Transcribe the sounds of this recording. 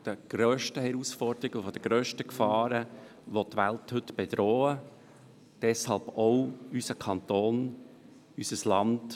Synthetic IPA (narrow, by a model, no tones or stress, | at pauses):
d̥əɡ̥ɾøːʃtəhɛɾusfɔɾd̥̪əɾiɡəfɔd̥̪əɡ̥ɾøːʃtəkfɑːɾə | ʋɔtːʋælthɵtb̥ɛd̥̪ɾɔːə | d̥ɛshɑlbowysəkʰɑnt̪oːn | ysəslɑnd